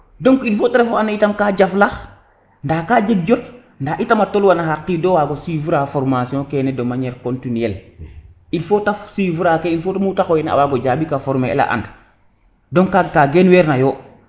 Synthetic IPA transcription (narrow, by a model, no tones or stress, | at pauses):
dɔŋkilfoteɾefoanitamkaɟaflax | ndaːkaːd͡ʒeɡ̚d͡ʒɔt | ndaːʔitamatolwanaɦaqːidɔwaɡosifuɾafɔɾmasiɔ̃kɛnedomaɲɛːɾkontiniɛl | ilfotafsivuɾakeilfotamutaxɔjɛna̰waɡɔɟabikafɔɾmeḛla̰ʔa̰nd | dɔŋkakaɡenwɛːɾnajɔ